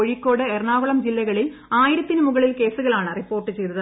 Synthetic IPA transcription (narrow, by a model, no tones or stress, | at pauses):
oɻikːo̞ːɽɨerɳaːʋɐɭɐmd͡ʑilːɐɣɐɭil | aːjiɾɐt̪ːinɨmuɣɐɭilke̞ːsuɣɐɭaːɳɨripːo̞ːrʈːɨt͡ɕe̞jɾɐð